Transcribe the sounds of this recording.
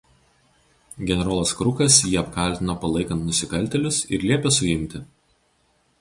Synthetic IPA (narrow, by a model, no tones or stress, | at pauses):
ɡʲɛnʲɛɾoːlˠɐskɾʊkɐsjiːɐp̚kɐˑlʲt̪ʲɪnoːpɐlˠɐɪkɐnt̪nʊsʲɪkɐlʲt̪ʲɛlʲʊsɪ̰ɾlʲiɛpʲesʊjɪmʲt̪ʲɪ